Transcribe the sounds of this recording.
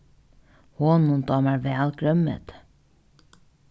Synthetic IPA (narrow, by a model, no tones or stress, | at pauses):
hoːnʊnt̪ɑːmæːɹʋæːlkʰɾœmə̰t̪